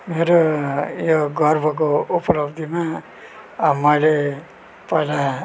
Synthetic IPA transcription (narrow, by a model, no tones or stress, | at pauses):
meɾojoɡʌrbʱʌk̬oupʌlʌbd̪ʱima | mːʌjle | pʌjla